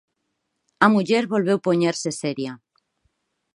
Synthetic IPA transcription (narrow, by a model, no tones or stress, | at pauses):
amuʎeɾβo̞lβ̞ewpoɲeɾseseɾja